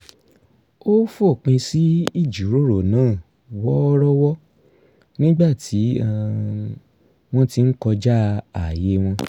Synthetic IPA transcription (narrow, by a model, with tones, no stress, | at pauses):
o˦fo˦˨k͡pĩ˧si˨˦i˦˨d͡ʒu˨˦ɾo˦˨ɾo˨nãː˦˨ | wɔ˦ɔ˦ɾɔ˦wɔ˦ | nĩ˦ɡ͡ba˦˨tʰi˨˦˧ | w̃ɔ̃˦ti˧n̩˦kɔ˧d͡ʒa˦a˨je˨˦w̃ɔ̃˧